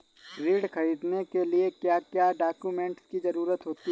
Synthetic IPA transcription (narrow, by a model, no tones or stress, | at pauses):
ɾiːɖxɐɾiːd̪nekeliekjaːkjaɖaːkjumẽːɳʈskizɐɾuːɾət̪ɦoːt̪i